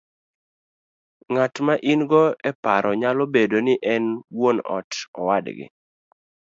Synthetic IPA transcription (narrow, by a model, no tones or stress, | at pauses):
ŋatmaʔinɡɔɛpaɾɔɲalɔbedonɪʔɛnwonɔ̰tɔwadɡɪ̰